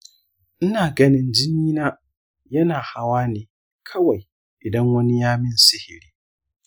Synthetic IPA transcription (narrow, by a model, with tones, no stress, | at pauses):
ʔɪ˦naː˨ɡɐ˦nɪ˦nd͡ʒɪ˦niː˦naː˦ | jɐ˦naː˨ha˦waː˦neː˨ | kʰɐ˦wa˨j | ʔɪ˨dɐ˦ŋwɐ˦ni˦jaː˦mɪ˦nsɪ˦hɪ˨ɾiː˦